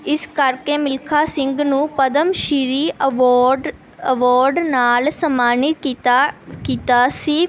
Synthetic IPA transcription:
ɪskəɾkeːmɪlkʰaːsɪ̃ŋɡnũːpəd̪əmʃɪɾiːɔːɖ | əʋaɔːɾɖnaːlsəmaːnɪt̪ | kiːt̪aːsiː

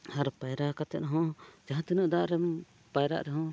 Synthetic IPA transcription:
haɾpajɾakat̪ɛ̰nɦɔ̃d͡ʒaɦãt̪inəʔd̪aʔɾɛm | pajɾa̰ʔɾɛɦɔ̃

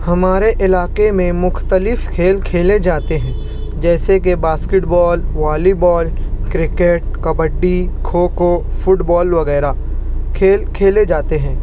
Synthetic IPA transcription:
hɐmaːɾeʔɪlaːqemẽmʊxt̪əlɪfkʰeːlkʰeːled͡ʒaːt̪eɦɛ̃ː | d͡ʒɛːsekebaːskɪʈbɔːlʋaːlibɔːlkɾɪkeʈ̚kɐbəɖːikʰoːkofʊʈbɔːlʋɐɣɛːɾa | kʰeːlkʰeːled͡ʒaːt̪eɦɛ̃ː

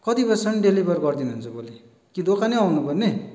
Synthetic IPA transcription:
kʌt̪ipʌsʌnɖelibʱʌrɡʌrd̪inuɦunt͡sʰʌboli | kid̪okʰaniawnupʌrne

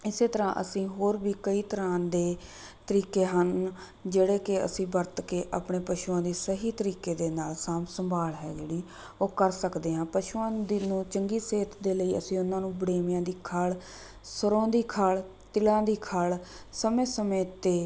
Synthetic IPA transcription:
ɪseːt̪əɾã̰ːʔə̰sĩːɦoːɾbiːkəiːt̪əɾãːd̪eː | t̪əɾiːkeːɦən | d͡ʒeːɽeːkɪə̰sĩːbəɾt̪keːʔa̰ːpɳeːpəʃuːãːd̪iːsəɦiːt̪əɾiːkeːd̪eːnaːlsaːmsəmbʱaːlɦɛːd͡ʒeːɽiː | oːkəɾsəkd̪eːɦãːpəʃuːãːd̪nũːt͡ʃəŋɡiːseːt̪ʰd̪eːləiːə̰sĩːʊnãːnũːbɽeːmjãːd̪iːkʰəɭ | səɾõːd̪iːkʰəɭ | t̪ɪlãːd̪iːkʰəɭsəmẽːsəmẽːt̪eː

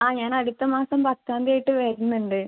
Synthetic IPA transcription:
aːɲaːnɐɽut̪ːɐmaːsɐmpɐt̪ːaːnd̪ɐːjiʈːɨʋeːɾunːuɳɖɨ

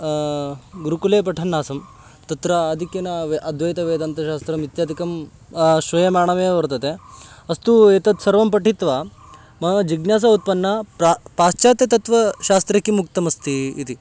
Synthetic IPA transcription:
ɡuɾukuleːpɐʈʰɐnːaːsɐm | t̪ɐt̪ɾɐːd̪ʱikjɐnɐʋʔɐd̪ʱʋɐjt̪ɐʋeːd̪ɐnt̪ɐʃaːst̪ɾɐmit̪jaːd̪ʱikɐm | ʃʋɐjɐmaːɳɐʋɐʋɐɾt̪ɐt̪eɐst̪ueːt̪ɐt̪sɐɾʋɐmpɐʈit̪ʋa | mɐɦɐd͡ʒiɡnjaːs̬ɐut̪̚pɐnːɐppaːst͡ʃaːt̪et̪ɐt̪ʋɐʃaːst̪ɾɐkːimuk̚t̪ɐmɐst̪iːt̪i

